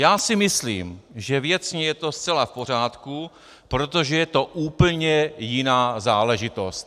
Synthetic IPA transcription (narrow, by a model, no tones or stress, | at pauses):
jaːsɪmɪslḭːmʒɛvjɛt͡sɲɛjɛt̪o̞st͡sɛlafpo̞r̝aːt̪ku | pɾot̪o̞ʒɛjɛt̪o̞ʔuːpl̩ɲɛjɪnaːzaːlɛʒɪt̪o̞st̪